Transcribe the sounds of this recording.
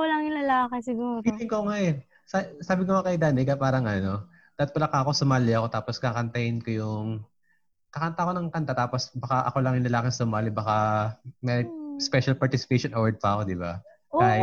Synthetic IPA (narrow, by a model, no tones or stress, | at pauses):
kolɐŋjʊnlɐlaːkesɪɡuːɾiɡ̪ɪŋkoŋajon | ssaːbɪkoɐkɐjd̪aːnɪkɐpaːɾɐŋʔɐno̞ | d̪̥aːt̪̚pɐlɐkaɐko̞sʊmaːlɪɐko̞t̪aːposkakɐnt̪ɐhɪnkojʊŋ | kɐkɐnt̪ako̞nɐŋkɐnt̪at̪aːposbɐkaʔɐ̰ko̞lɐŋjʊnlɐlaːkɪŋsʊmaːlɪbɐkamɛɾɪspɛʃɐlpɐɹt̪ɪsɪ̥pejʃonʔowɹd̪̚pɐɐko̞d̪ɪba̰ | aj